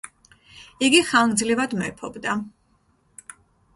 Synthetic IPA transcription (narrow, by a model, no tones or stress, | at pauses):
iɡiχaŋɡd̪zlivad̪mɔɛpʰɔbd̪a